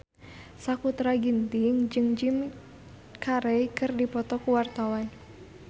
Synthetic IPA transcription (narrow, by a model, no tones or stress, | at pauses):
sakut̪ɾaɡint̪iŋd͡ʒɨŋd͡ʒim | kʰaɾɛjkɨrdipɔt̪ɔkuwart̪awan